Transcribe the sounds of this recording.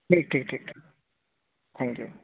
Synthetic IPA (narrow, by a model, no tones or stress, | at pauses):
ʈiːk̚ʈʰiːk̚ʈʰik̚ʈʰi | t̪ʰæ̃ŋkjṵ